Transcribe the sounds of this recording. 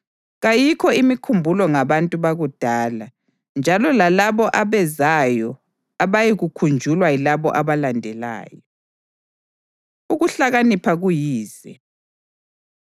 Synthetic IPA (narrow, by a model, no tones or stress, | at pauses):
ɣajikʰɔimikʰumbʱulɔŋaβantʼuβaɣud̥ʱaːla | nd͡ʒʱalɔlalaβɔʔaβɛzajɔ | aβajiɣukʰund͡ʒʱulwailaβɔ̰ʔaβalandʱɛla̰ːjɔ | uɣuɬaɣanipʰaɣujiːzɛ